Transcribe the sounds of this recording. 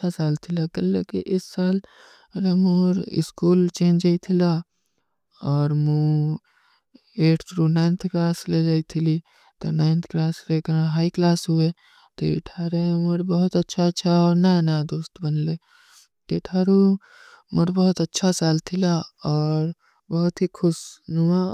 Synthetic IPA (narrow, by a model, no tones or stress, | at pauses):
asaːlt̪ʰilakɐlːekiʔɪssaːl | ɾemuɾɪ̰skuːlt͡ʃẽːnd͡ʒait̪ʰila | ɔːɾmu | eːʈʰt̪ʰɾuːnaɪnt̪ʰkɾaːsled͡ʒaːit̪ʰili | t̪onaːɪ̃nt̪ʰkɾaːsɾekɾãɦaːiklaːsɦue | t̪oḭʈʰaːɾemuɾbɐɦʊt̪ɐtːʃʰatːʃʰaɔːɾnanad̪oːst̪bɐnle | t̪eːʈʰaːɾu | mʊɾbəɦʊt̪ɐtːʃʰasaːlt̪ʰilaɔːɾ | bɐɦʊt̪ɦikʰʊsnua